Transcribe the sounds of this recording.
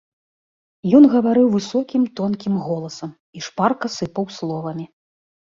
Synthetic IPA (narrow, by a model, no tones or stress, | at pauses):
jɔnɣɐvaɾɨwvɨsɔkʲimt̪ɔnkʲimɣɔlˠɐsɐm | iʂparkɐsɨpɐwslˠɔvɐmʲi